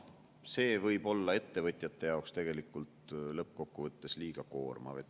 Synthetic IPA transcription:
se̞ːvɤjb̥o̞lːɑe̞t̪ːe̞vɤt̪ʲˑjɑt̪ːˑe̞jɑokst̪e̞ɡ̥e̞likːˑult̪lɤp̚ko̞kːuvɤt̪ːe̞sliːɡ̥ɑko̞ːrmɑ̰ve

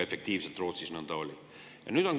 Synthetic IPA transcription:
e̞fek̚t̪iːvset̪ˑroːt̪sisnɑnd̪ɑolʲi | jɑ̰nyːd̪̥on

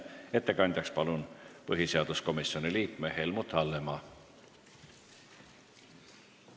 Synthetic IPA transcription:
e̞t̪ːekɑnʲt̪ɑkspɑlunpɤɦiseɑd̪̥usko̞misːio̞niliːkmehe̞lmut̪ˑːɑlːemɑ

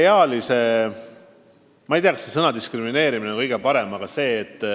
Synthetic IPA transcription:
eɑlise̞ | mɑijt̪iɑkɑsesɤnɑd̪iskrimine̞ːɾimineŋkɤjɡ̥e̞pɑɾe̞mɑɡ̥ɑse̞ːt̪ːˑ

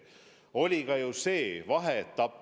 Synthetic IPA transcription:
o̞lʲiɡɑjuse̞ːvɑɦet̪ːɑpːˑ

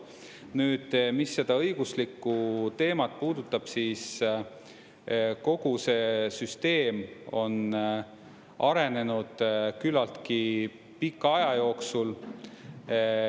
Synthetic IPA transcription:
nyːd̪̥misːe̞d̪̥ɑɤjɡ̥uslikːˑut̪e̞ːmɑt̪̚puːd̪̥ut̪ːˑɑb̥siːs | ko̞ɡ̥use̞syst̪e̞ːmo̞̰n | ʔɑɾe̞ne̞nud̪̥kylɑlt̪ki | pikːˑɑjɑjo̞ːksul

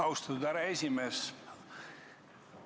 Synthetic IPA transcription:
ɑwst̪ɑt̪ud̪æɾɑesʲimeːs

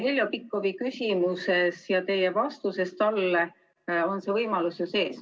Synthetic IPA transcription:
hilʲjopikːˑovikysʲimuse̞sjɑt̪e̞jevɑst̪use̞st̪ɑlːe | o̞nse̞vɤjmɑlusjose̞ːs

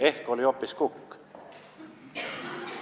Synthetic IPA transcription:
e̞hko̞lʲiopːˑiskukː

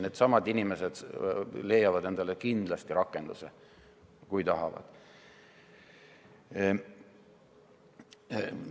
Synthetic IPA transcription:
ne̞d̪sɑmɑd̪inʲime̞se̞d̪̥le̞jːɑvɑd̪e̞nd̪̥ɑlekind̪̥lɑst̪iɾɑkːˑe̞nd̪use | kujt̪ɑɦɑ̰vɑ̰d̪̥

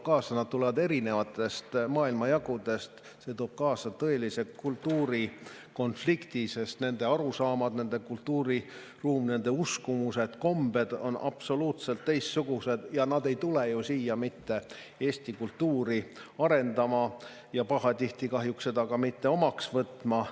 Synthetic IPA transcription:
kɑːsɑnɑd̪̥̚t̪ule̞vɑd̪e̞ɾine̞vɑt̪ːˑe̞st̪mɑːilmɑjɑɡud̪e̞st̪ | se̞t̪o̞ːb̥̚kɑːsɑt̪ɤ̞e̞lise̞kult̪ːˑuːɾi | ko̞nflikt̪ise̞st̪ne̞nd̪̥e̞ɑɾusɑːmɑd̪̥ne̞nd̪e̞kult̪ːˑuːɾi | ruːmne̞nd̪e̞uskumuse̞d̪̥ko̞mb̥e̞d̪̥o̞̰nɑ̰pso̞luːt̪se̞lt̪ːejst̪suɡ̥use̞d̪̥jɑnɑd̪e̞jt̪ulejusiːjɑmit̪ːe̞ | e̞ːsʲt̪ikult̪ːuːɾiɑɾe̞nd̪ɑmɑ | jɑpɑɦɑt̪ʲiht̪ikɑɦjuksse̞d̪ɑkɑmit̪ːe̞o̞mɑksvɤt̪ːˑmɑ

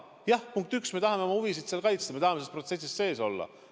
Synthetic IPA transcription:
jɑhpuŋk̚t̪yksme̞t̪ɑɦɑme̞omɑhuvisid̪̥seːlkɑjt̪sd̪ɑme̞t̪ɑhɑmesespro̞t̪se̞s̬ʲːist̪se̞ːso̞̰lːɑ̰

